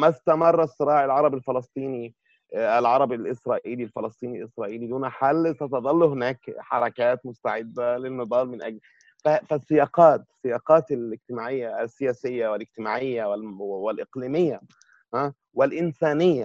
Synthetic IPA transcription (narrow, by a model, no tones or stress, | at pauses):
mæst̪amɑrˤːɑsˤːɨɾˤɑːʕɪlʕɑɾˤɑbɪlfɑlɑsˤt̪ˤiːni | ælʕɑɾˤɑbɪlʔɪsɾˤɑːʔiːlilfelɑsˤt̪ˤiːnilʔɪsɾˤɑːʔiːlid̪uːnaħalsæt̪ɑd̪ˤɑlːhɪnæːkħɑɾˤɑkæːt̪mʊst̪aʕɪd̪ːælɪlmɨd̪ˤɑːlmɪnʔæɡl | fæfæsːɪjɑːqɑːt̪sːɪjɑːqɑːt̪ɪlɪɡt̪ɪmaːʕɪjːasːɪjæːsɪjːawɪlɪɡt̪ɪmaːʕɪjːawɪlwɪlʔɪqliːmɪjːa | hæ | wɪlʔɪnsæːnɪjːa